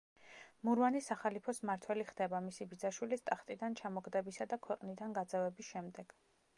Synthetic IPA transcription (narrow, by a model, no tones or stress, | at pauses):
muɾvanisaχalipʰɔsmaɾt̪ʰwɛliχd̪ɛbamisibid̪zaʃwilist̪ʼaχt̪ʼid̪ant͡ʃʰamɔɡd̪ɛbisad̪akʰwɛqʼnid̪anɡad̪zɛvɛbisʃɛmd̪ɛɡ̥